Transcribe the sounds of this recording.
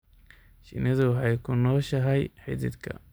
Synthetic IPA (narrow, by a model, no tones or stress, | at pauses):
ʃɪ̰nɪðʊwħɑjkʰʊnɔːʃɐɦɐjħɪðɪ̰d̪kʰɐ̰